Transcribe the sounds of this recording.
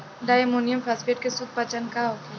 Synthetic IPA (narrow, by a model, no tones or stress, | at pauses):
ɖaːjmoːnijəmfʰaːsfeːʈ̚kesʊk̚pət͡ʃənkaɦoːk̪e